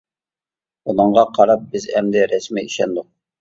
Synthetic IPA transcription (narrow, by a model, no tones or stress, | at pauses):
unəɴʁɑqʰɑɾɑp̚bɪzɛmd̪ɪɾɛsmiiʃɛnd̪ʊq̚